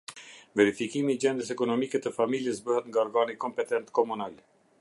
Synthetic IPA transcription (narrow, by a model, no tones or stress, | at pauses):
vɛɾifikimiːd͡ʑɛnd̪əs̬ɛkɔnɔmikɛt̪əfamiljəsbəɦɛt̪ŋɡaɔɾɡanikɔmpɛt̪ɛnt̪kɔmunal